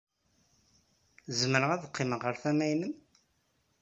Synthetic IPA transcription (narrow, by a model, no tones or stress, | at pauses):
zməɾəʁæðəqʰːɪməʁəɾθæmæjnəm